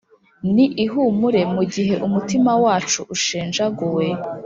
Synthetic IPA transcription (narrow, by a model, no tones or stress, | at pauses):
niʔiɦumuɾe̞muɟiɦe̞ʔumutimawaːt͡ʃuʔːʃeːnʒaɡowe